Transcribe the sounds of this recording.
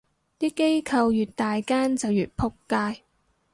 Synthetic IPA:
t̪iː˥ke˥jkʰɐ˧wjyː˨t̚t̪aː˨jkaː˥nt͡sɐ˨wjyː˨t̚pʰʊ˥kːaː˧j

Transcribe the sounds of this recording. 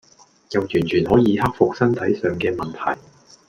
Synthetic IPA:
jɐ˨wjyː˨˩nt͡ʃʰyː˨˩nɦɔː˨˥jiː˨˧hɐ˥k̚fʊ˨k̚sɐ˥nt̪ʰɐ˨˥jsœː˨ŋkɛː˧mɐ˨nt̪ʰɐ̰˨˩j

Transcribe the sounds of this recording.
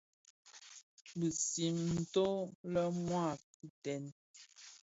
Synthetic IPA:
bə˨si˨ŋn̩˨to˦lə˦mwa˦˨p̚u˦tɛ˨˦n

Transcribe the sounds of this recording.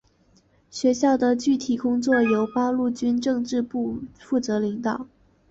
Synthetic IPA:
ɕɥɛ˧˥ɕjɑ˥˩ʊd̪ə˩t͡ɕy˥˩t̪ʰi˨˩kʊ˥ŋt͡swɔ˥˩jo˧˥ʊpɑ˥lu˥˩t͡ɕy˥nʈ͡ʂɤ˥˧ŋʈ͡ʂɻ̩˥˧pu˥˧fu˥˩t͡sɤ˧˥li˧˥ŋt̪ɑ˨˩˦ʊ

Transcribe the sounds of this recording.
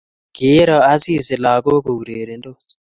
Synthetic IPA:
ɡe˨˦ɾɔ˨a˦si˦˨sɪ˨la˨ko˦ko˨u˨ɾe˨ɾe˨ndo˦˨

